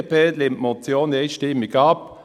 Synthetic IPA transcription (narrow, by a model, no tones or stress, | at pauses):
pɛlt̪lɪmtmɔt͡sjoːneɪʃtɪmːiɡɑp